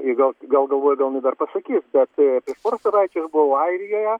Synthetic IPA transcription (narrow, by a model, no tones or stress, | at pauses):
ɪɡɐlˠɡɐlˠɡɐlˠʋoːjʊɡɐlˠnʲɪd̪ɐrpɐsɐkʲiːsbʲɛt̪pʲɾʲiɛʃpoːɾoːsʲɛʋɐɪt͡ʃʲosbʊʋoːɐɪɾʲɪjoːjɛ